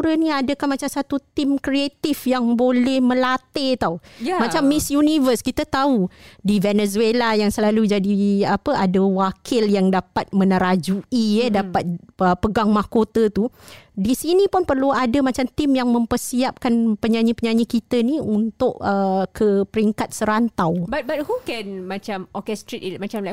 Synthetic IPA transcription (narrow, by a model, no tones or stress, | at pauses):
uɾənĩadəkanmat͡ʃamsat̪ut̪imkɾiet̪ifjaŋbolɛhmə̃lat̪et̪aumat͡ʃamːisjunivəskit̪at̪audivɛnɛzuelajaŋsəlalud͡ʒadiapəʔadəwakʰɪljaŋdapat̪̚mə̃nəɾad͡ʒuiədapat̪̚əpəɡaŋmahkot̪ət̪udisinĩpunpərluadamat͡ʃamt̪imjaŋmə̃mpərsiap̚kanpəɲaɲipəɲaɲikit̪əniunt̪ʊʔəkʰəpəɾiŋkat̪̚səɾant̪awbat̪̚bat̚hukɛnmat͡ʃamɔkɛst̪ɾitimat͡ʃamlaj